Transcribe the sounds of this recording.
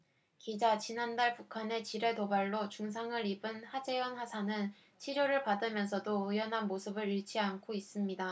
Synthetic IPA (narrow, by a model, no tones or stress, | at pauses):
kid͡ʑat͡ɕinandaɭpukʰane̞t͡ɕiɾe̞tobaɭːot͡ɕuŋs̬ʰaŋɯɾibɯnɸad͡ʑe̞jʌnɸasʰanɯn | t͡ɕʰiɾjoɾɯɭpadɯmjʌnsʰʌdoujʌnɦanmosʰɯbɯɾiɭt͡ɕʰiankʰois͈ɯmɲida